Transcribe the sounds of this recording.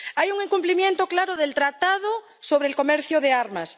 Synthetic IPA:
ajuŋeŋkumplimjẽnt̪oklaɾoðelt̪ɾat̪að̞o | soβɾeːlkomeɾθjoðeaɾmas

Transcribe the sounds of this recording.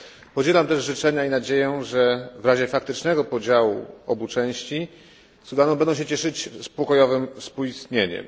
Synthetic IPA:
pɔd͡ʑɛlamt̪ɛʐʐɘt͡ʂɛɲainad͡ʑejɛʐɛvɾaʑɛfak̚t̪ɘt͡ʂnɛɡɔpɔd͡ʑawṵɔbut͡ʂɛ̃w̃ɕt͡ɕi | sud̪anɔ̃wmbɛnd̪ɔ̃w̃ɕ̬ɛt͡ɕɛʂɘt͡ɕspɔkɔjɔvɘmfspuist̪ɲeɲɛ̰m

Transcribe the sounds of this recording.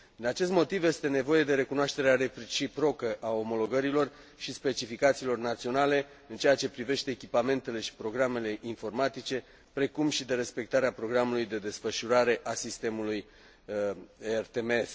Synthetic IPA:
d̪̥inat͡ʃe̞s̬t̪mo̞t̪ivje̞st̪e̞ne̞vo̞je̞d̪e̞ɾe̞kunoaʃt̪e̞ɾeaɾe̞pt͡ʃipɾo̞kəʔao̞mo̞lo̞ɡəɾilo̞r | ʃispe̞t͡ʃifikat̪siːlo̞rnat̪sio̞nale̞ | ɨnt͡ʃe̞jat͡ʃe̞pɾive̞ʃt̪e̞ːkʲipame̞nt̪e̞le̞ʃi̥pɾo̞ɡɾame̞le̞ʔinfo̞rmat̪it͡ʃe̞ | pɾe̞kumʃid̪e̞ɾe̞spe̞k̚t̪aɾeapɾo̞ɡɾamulujd̪e̞d̪e̞sfəʃuɾaɾe̞ʔasist̪e̞muluj | ert̪emees

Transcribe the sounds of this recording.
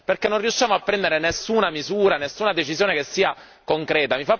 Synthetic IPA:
perkenːonrːiuʃːjaːmoapːɾɛnd̪eɾenesːuːnamizuːɾanesːuːnad̪et͡ʃizjoːnekesːiːa | koŋkɾɛːt̪amifa

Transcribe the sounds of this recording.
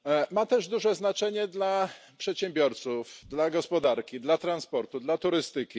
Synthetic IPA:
mat̪ɛʐd̪uʐɛznat͡ʂɛɲɛd̪lapʂɛt̪ɕɛmbʲjɔɾt̪sufd̪laɡɔspɔd̪aɾkʲid̪lat̪ɾanspɔɾt̪ud̪lat̪uɾɘst̪ɘkʲi

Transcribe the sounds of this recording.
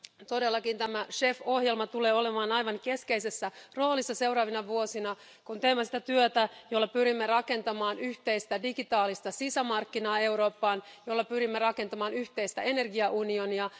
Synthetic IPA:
t̪o̞delːɑkint̪æmæʃe̞fohjelmɑt̪ule̞ːo̞lemɑːnɑjʋɑŋke̞skeisesːæro̞ːlisːɑse̞wɾɑːʋinɑʋuosinɑ | kunt̪eimːæsit̪æt̪yøt̪æjolːɑpyɾimːerɑke̞nt̪ɑmɑːnyçt̪eist̪ædiɡit̪ɑːlist̪ɑsisæmɑrkːinɑːe̞uɾo̞ːpːɑːnjolːɑpyɾimːerɑkent̪ɑmɑːnyçt̪eist̪æe̞ne̞rɡiɑʔunioniɑ

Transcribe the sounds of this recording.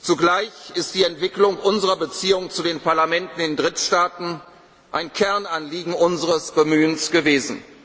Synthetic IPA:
t͡suɡlaɪçɪst̚d̥iːɛntv̥ɪklʊŋʔʊnzəʁɐbət͡siːʊŋt͡sudeːnpaɐlamɛntn̩ɪndʁɪtʃtaːtn̩ | ʔaɪnkʰɛɐnanliːɡŋ̩ʔʊnzəʁəsb̥əmyːənsɡ̥əveːzn̩

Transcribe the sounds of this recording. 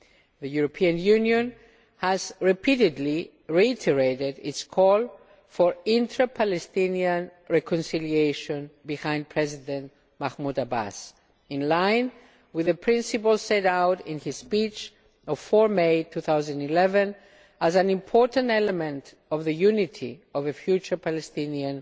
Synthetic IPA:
ðəjuɹopʰiə̃njʉnjõn | həzɹipʰiɾɪdli | ɹiitʰəɹeɪɾɪdɪtskʰɔlˠ | fɔɹɪ̃ntʰɹəpʰalɛst̪ĩniə̃nɹɛkʰɔ̃nsilieʃɔ̃nbihãj̃nd̚pʰɹ̥ɛzidɛ̃nt | maxmudaba̰s | ĩnlãɪ̃n | wiðəpʰɹĩnsipəlsɛɾawɾĩnhiz̥spit͡ʃ | ɔv̥fɔɹmejtʰuθawzãndilɛvɛ̃n | æzæ̃nĩmpʰɔɹtə̃ntɛlemẽnt | ɔvðəjunitʰḭɔvəfjut͡ʃə˞pʰalest̪ĩniə̃n

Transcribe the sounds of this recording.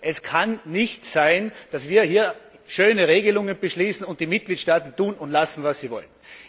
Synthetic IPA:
ʔɛskʰannɪçtsaɪnd̥asv̥iːɐhiːɐ | ʃøːnəʁeːɡəlʊŋənbəʃliːsn̩ʊnt̚d̥iːmɪt̚ɡ̥liːtʃtaːtn̩tuːnʊntlasn̩vasːiːvɔ̰lən

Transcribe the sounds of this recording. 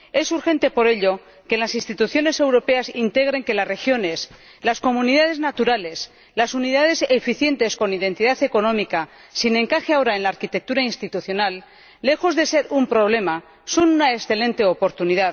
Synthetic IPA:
e̞suɾxe̞nt̪e̞po̞ɾe̞ʎo̞ | ke̞lasinst̪it̪uθjo̞ne̞se̞wɾo̞pe̞asint̪e̞ɣ̞ɾe̞ŋke̞lasre̞xjo̞ne̞s | lasko̞munið̞að̞e̞znat̪uɾale̞s | lasunið̞að̞e̞sefiθje̞nt̪e̞sko̞niðẽ̞nt̪iðaθe̞ko̞nõ̞mika | sine̞ŋkaxeao̞ɾaenlaːɾkit̪e̞k̚t̪uɾainst̪it̪uθjo̞nalː | e̞xo̞zðe̞se̞ɾumpɾo̞β̞le̞ma | so̞nunaesθe̞lẽ̞nt̪e̞opo̞ɾt̪uniðað

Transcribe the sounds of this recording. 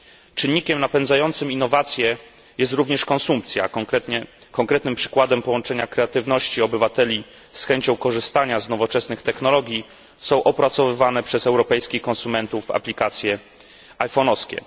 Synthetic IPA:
t͡ʂɘnːikʲɛmnapɛnd̪zajɔnt̪sɘminːɔvat̪sʲjɛ | jɛst̪ɾuvɲɛʂkɔ̃nsump̚t̪sʲja̰ɛt̪ɲɛkɔŋkɾɛt̪nɘmpʂɘ̥kwad̪ɛmpɔwɔnt͡ʂɛɲakɾɛat̪ɘvnɔɕt͡ɕiɔbɘvat̪ɛlʲi | sxɛɲt͡ɕɔ̃w̃kɔʐɘst̪aɲaznɔvɔt͡ʂɛsnɘxt̪ɛxnɔlɔɡʲji | sɔ̃w̃ʔɔpɾat̪sɔvɘvanɛpʂɛzɛwɾɔpɛjskʲixkɔ̃nsumɛnt̪uvːa̰plʲikat̪sʲjɛ | ajfɔnɔskʲɛ̰

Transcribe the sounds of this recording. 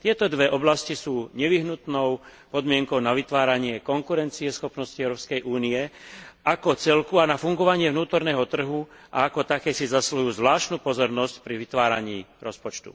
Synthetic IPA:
t̪ɪɛt̪ɔd̪ʋɛʔɔblascisuːɲɛʋiɦnut̪nɔʊpɔd̪mɪɛŋkɔʊnaʋit̪ʋaːɾaɲɪɛkɔŋkuɾɛnt͡siɛsxɔpnɔsciɛʊɾɔːpskɛjʔuːniɛʔakɔt͡sɛlkuanafuŋɡɔʋaɲɪɛvnuːt̪ɔɾnɛːɦɔt̪r̩ɦu | ʔa̰akɔt̪akɛːsizaslujuːzʋlaːʃt̪nupɔzɔɾnɔscpɾiʋit̪ʋaːɾa̰ɲiːɾɔspɔt͡ʃt̪ṵ

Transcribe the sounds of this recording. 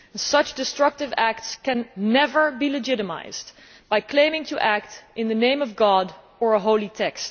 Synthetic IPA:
sʌt͡ʃd̥ɨstɹ̥ʌk̚tɨvæk̚tskɨ̃nːɛvə˞bilɨd͡ʒɪɾɨma̰ɪz̥d | b̥aɪkʰl̥ẽɪ̃mɪ̃ŋtʰɨʔæk̚tʔɨ̃nðɨnẽɪ̃mʌvɡɑɾ | ə˞əɦoʊlˠitʰɛkst

